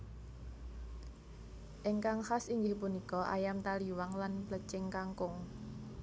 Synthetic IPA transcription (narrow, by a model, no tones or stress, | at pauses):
ʔɛŋkaŋhasiŋɡɪhpunikɔʔa̰jamt̪aliwaŋlanplət͡ʃɪŋkaŋkʊŋ